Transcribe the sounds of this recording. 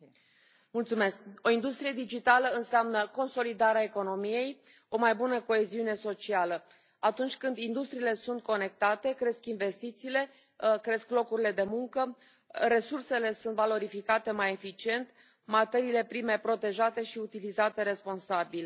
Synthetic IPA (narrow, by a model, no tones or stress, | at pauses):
mult̪sume̞sko̞ind̪ust̪ɾije̞d̪id͡ʒit̪aləɨnseamnəko̞nso̞lid̪aɾeaeko̞no̞mije̞j | o̞majbunəko̞eziune̞so̞t͡ʃialə | at̪unt͡ʃʲkɨnd̪ind̪ust̪ɾiːle̞sunt̪̚ko̞ne̞k̚t̪at̪e̞kɾe̞skinve̞st̪it̪siːle̞ | kɾe̞sklo̞kuɾile̞d̪e̞muŋkə | ɾe̞surse̞le̞sunt̪valo̞ɾifikat̪e̞maje̞fit͡ʃie̞nt̪ | mat̪e̞ɾiːle̞pɾime̞pɾo̞t̪e̞ʒat̪e̞ʃiut̪ilizat̪e̞ɾe̞spo̞nsabil